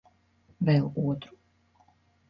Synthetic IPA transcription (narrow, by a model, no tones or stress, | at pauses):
vɛluɔt̪ɾu̥